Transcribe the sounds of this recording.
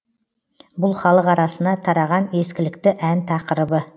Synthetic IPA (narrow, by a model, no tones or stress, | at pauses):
bʊlˠχɑlˠəqɑɾɑsənɑt̪ʰɑɾɑʁɑne̞skʲɪlɪkt̪ɪʔænt̪ʰɑqəɾəbə